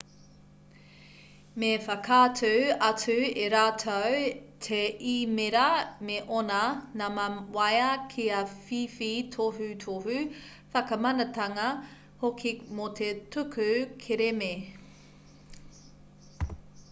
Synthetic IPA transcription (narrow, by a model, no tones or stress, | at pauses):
mefɐkʰaːtʰuɐt͡sʉeɾaːtʰowtʰeʔimeɾɐmeʔonɐnamwajɐkʰiɐfifitʰoɦʉtʰohʉ | fɐkɐmɐnɐtɐŋɐ | hokʰimot̪ʰetʰʉkʰʉkʰeɾeme